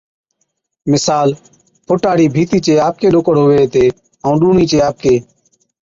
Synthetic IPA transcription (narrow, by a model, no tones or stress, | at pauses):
mɪsaːl | pʰʊʈaːɽiːbʱiːt̪iːt͡ʃeːaːp̚keːɗoːkəɽɦoːʋeːt̪eː | əũːɗuːɳiːt͡ʃeːaːp̚keː